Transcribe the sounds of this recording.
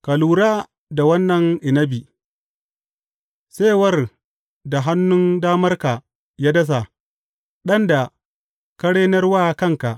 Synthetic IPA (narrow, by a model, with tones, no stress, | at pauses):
ka˨luː˨ɾaː˦ | da˨wɐ˦nːɐ˨ŋʔɪ˨nɐ˦bi˨ | se˦˨wɐ˦˨r | da˨ɦa˦nːʊ˦ndaː˦mɐ˦rka˨ | jaː˦dɐ˦s̬a˨ | ɗɐ˦nda˨ | ka˦ɽeː˦nɐ˦rwaː˦kɐ˦ŋka˨ʔ